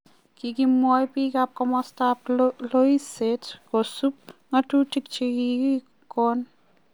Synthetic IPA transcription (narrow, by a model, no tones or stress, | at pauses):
kikimɔjpikap̚kɔmɔstaplojsetʰɡɔsup̚ŋatuʈʰik̚t͡ʃʰikii | kɔn